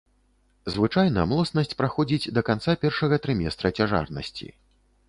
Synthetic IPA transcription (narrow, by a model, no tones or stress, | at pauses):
zvɨt͡ʂajnɐmlˠɔsnɐsʲt͡sʲpɾaxɔd͡zʲid͡zʲd̪ɐkant̪sapʲɛrʂɐɣɐt̪ɾɨmʲɛst̪ɾɐt͡sʲaʐa̰rnɐ̰sʲt͡sʲḭ